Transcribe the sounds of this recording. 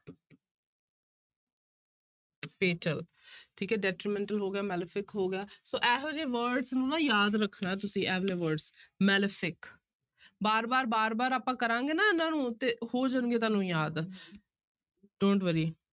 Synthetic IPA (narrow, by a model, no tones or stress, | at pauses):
peːʈəl | ʈʰiːkɛːɖɛːʈɾimɛ̃ːɳʈəlɦoːɡɪjaːmɛːləpʰɪkɦoːɡɪjaːsoːʔɛːɦoːd͡ʒeːʋəɾɖsnũːãːjaːd̪ɾəkʰːnaːt̪ʊsĩːʔɛːʋleːʋəɾɖsmɛːləpʰɪk | baːɾbaːɾbaːɾbaːɾaːpãːkəɾãːŋɡeːnaːɪnãːnũːt̪eːhoːd͡ʒaːnɡeːt̪̬aːnũːjaːd̪ | ɖoːɳʈʋəɾiː